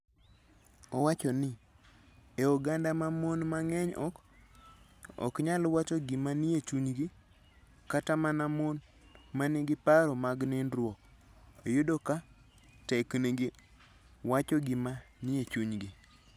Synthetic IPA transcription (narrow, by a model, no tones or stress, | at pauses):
ɔwat͡ʃɔnɪ | eɔɡandamamonmaŋɛɲɔ̰k | ɔ̰kɲalwat͡ʃɔɡɪmaniet͡ʃuɲɡi | katamanamon | maniɡɪpaɾɔmaɡnɪnɾwɔkojodoka | tɛkneɡi | wat͡ʃɔɡɪmanijet͡ʃuɲɡɪ